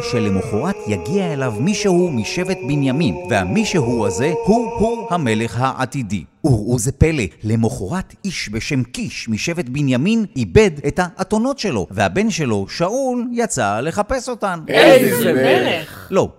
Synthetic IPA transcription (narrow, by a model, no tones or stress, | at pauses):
ʃelemoχoʁatʰjaɡiaelavmiʃehumiʃe̞vet̚binjaminveha̰miʃeɦuaze̞huhuhame̞le̞χhaʔa̰tidḭuʁuzepe̞lele̞moχoʁatiʃbe̞ʃe̞mkiʃmiʃe̞vetbinjaminibe̞dethaʔːto̞no̞tʃe̞lo̞̰vehabe̞nʃe̞lo̞ʃauljat͡sale̞χape̞so̞taneeleχlo̞